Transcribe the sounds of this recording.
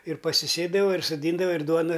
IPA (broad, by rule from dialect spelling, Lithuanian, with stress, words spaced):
ɪr pɐsʲɪˈsʲeːdɐʋɐ ɪr soːˈdʲiːndɐʋɐ ɪr ˈduɔnɐ